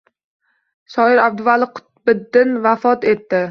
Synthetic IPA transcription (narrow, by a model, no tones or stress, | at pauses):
ʃɒɪɾab̚d̪ʊvalˠɪqʰʊ̥t̪̚bɪd̪ːɪnvafɒt̪e̞t̪ːɪ